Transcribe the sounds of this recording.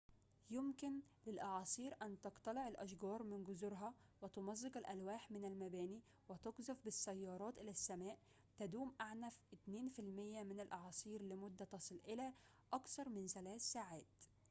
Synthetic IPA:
jʊmkɪnlɪlʔɑʕɑːsˤiːɾʔænt̪ɑqt̪ˤɑleʕelʔæʃɡɑːɾˤmɪnɡʊzʊɾɦɑwɪt̪omɑzˤːeqælʔælwæːħmɪnælmæbæːniː | wɪt̪ɑɡzɑfbɪsːæjːɑːɾˤɑːt̪ʔɪlæsːæmæːʔ | t̪æd̪uːmʔaʕnæfʔɪt̪neːnfɪlmɪjːæmɪnælʔɑʕɑːsˤiːɾlɪmʊd̪ːæt̪ɑsˤɨlʔɪlæ | ʔɑkθɑɾˤmɪnθælæːθsaːʕaːt̪

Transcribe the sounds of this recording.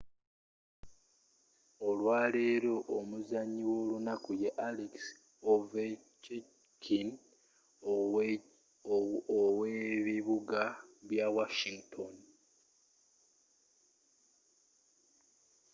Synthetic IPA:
olwaːleːɾo̞ʔomuzaɲːiwo̞ːlunakujeʔaliks | ove | t͡ʃe | kʰin | oweβiβuɡaβjawaʃiŋɡtʰon

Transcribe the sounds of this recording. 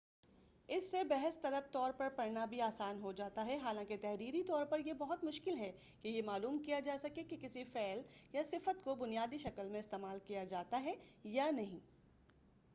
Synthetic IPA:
ɪsːebɛɦəst̪ɐɾəft̪ɔːɾpɐɾpɐɾnabʱiaːsaːnɦod͡ʒaːt̪aɦɛɦaːlãːket̪ɛɦɾiːɾit̪ɔːɾpɐɾjebɐɦʊt̪mʊʃkɪlɦɛ | kejemaːluːmkijad͡ʒaːsɐkekekɪsifɛːljasɪfət̪kobʊnijaːd̪iʃɐkəlmẽɪst̪eːmaːlkijad͡ʒaːt̪aɦɛjanɐɦĩː

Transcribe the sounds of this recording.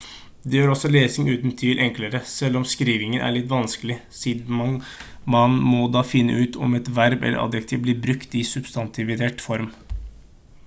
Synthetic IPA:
d̪ɛjøːɾɔsɔleːsɪŋʉːt̪n̩t̪ʰiːlʔɛŋkləɾəsɛlːɔmskɾiːʋɪŋənʔæ̰ɭɪt̪ːʋɑnskəlɪsiːd̪mɑŋ | mɑnmɔd̪ɑːfɪnːə̰ʉːt̪ʰɔ̰mɛt̪ʋæɾbɛ̰lːə̰ʔɑ̰d̪jəkt̪ʰiːʋblɪːɾbɾʉkt̪ɪsʉb̥st̪ɑnt̪ʰɪʋɪd̪eːʈfɔɾm

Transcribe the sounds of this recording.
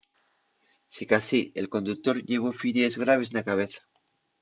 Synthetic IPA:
sikasielko̞nd̪uk̚t̪o̞ɾʎe̞ɣ̞o̞fiɾjezɣɾaβ̞e̞znakaβ̞e̞θḁ

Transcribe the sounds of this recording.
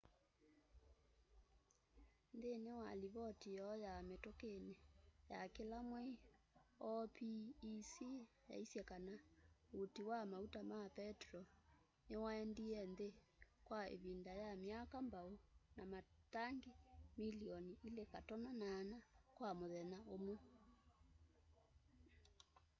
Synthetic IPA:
ndenewaliβɔtiɔjametokenejakelamwe | ɔpiːsi | ja̰isjɛkanautiwamautamapɛtɾɔ | newaɛndiɛnðe | kwaḛβindajamjakambaonamataŋɡemiliɔniilekatɔnanaːnakwamoðɛnaomo

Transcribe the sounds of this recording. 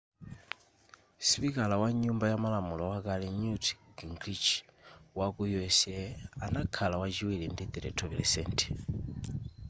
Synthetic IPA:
spikalawaɲumbajamalamulɔwakalɛɲutɡiŋɡɾit͡ʃwakujɛsɛanakʰalawat͡ʃiwilindid̪ɛɾɛ̰tʰɔvilɛ̰sɛntʰɛ̥

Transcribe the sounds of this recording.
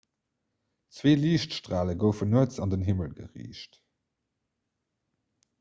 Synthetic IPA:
t͡sveːliːɕtʃtʁaːləɡəʊfənuət͡sɑndənɦiməlɡə̰ʁḭːɕt

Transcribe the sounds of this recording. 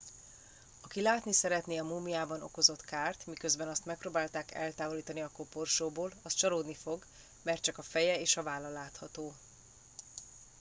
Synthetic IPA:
ɒkilaːt̪nisɛɾɛt̪neːɒmuːmiaːbɒnoko̞zo̞t̪kaːrt̪mikøzbɛnɒst̪mɛk̚proːbaːlt̪aːkɛ̰lt̪aːvo̞liːt̪ɒniɒkoporʃoːboːlɒst̪t͡ʃɒloːd̪nifo̞ɡ | mɛrt̪t͡ʃɒkɒfɛjɛeːʃɒvaːlːɒlaːt̪hɒt̪oː

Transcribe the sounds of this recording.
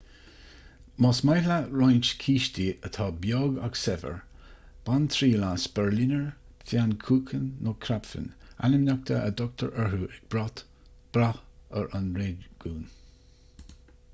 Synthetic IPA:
mɔsmajlaɹɔjnt͡ʃkʰiːʃtiət̪ʰɑːbjɔːɡa̰ɡsɛvə̰ɹ | b̥ant̪ʰɾiːlasb̥ɛɹlinəɹ | fjankʰuːkʰənːokʰɾapfə̰na̰nəmnʲak̚t̪ʰə̰ʔəd̪ɔk̚t̪ʰəɹʔəhuːʔɛɡ̚b̥ɾɔt̪ | b̥ɾahəɹʔanɹeːdɡ̥uːn

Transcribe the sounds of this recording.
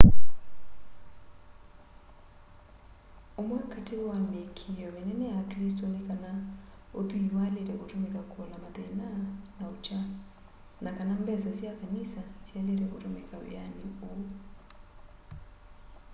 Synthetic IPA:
omwakatewamekʰiɔmenɛnɛjakɾistɔnekana | ot̪uwaleɾɛʔotumɛkakɔlamaðɛnanaut͡ʃa | nʔakanambɛsasiakanisasialeɾɛotumɛkawj̰aniu

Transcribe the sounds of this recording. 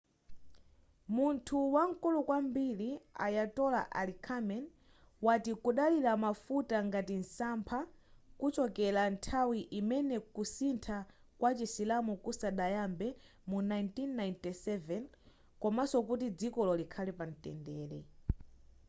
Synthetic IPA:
muntʰuwaŋ̩kulukwambilia̰jatɔla̰ʔa̰likʰamɛn | watikuɗaliɾamafutaŋɡatin̩sampʰakut͡ʃɔkɛlantʰawiʔimɛnɛkusintʰa | kwat͡ʃisilamukusaɗajambɛ | munajntinːajntisɛvɛn | kɔmasɔkut̬id͡zikɔlɔlikʰalipan̩tɛ̰ndɛːɾɛ

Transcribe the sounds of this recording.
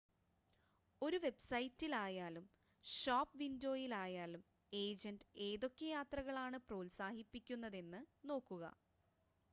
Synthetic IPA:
o̞ɾuʋe̞bsɐjtːilaːjaːlum | ʂoːpːʋindo̞ːjilaːjaːlum | e̞ːd͡ʑɐndɨe̞ːðo̞kːɐjaːt̪rɐɣɐɭaːɳɨproːlsaːhipːikʲːunːɐðe̞nːɨno̞ːkːuɣɐ̰

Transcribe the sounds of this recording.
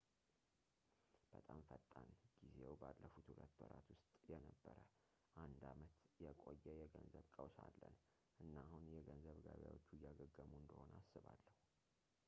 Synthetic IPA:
b̥ət̪ʼamfət̪ʼːanɡ̥izewbalːəfut̪hulət̪ːwɔ̰ɾat̪wʊst̪ʼjɛnəbːəɾə | ʔand̪amət̪jɛkʼojːɛjɛɡənzəβkʼəwsalːən | ʔɨnːahunjɛɡənzəβɡaβja̰wot͡ʃːujaɡəɡːəmuɨnd̪əho̞nəasːɨβalːəhu

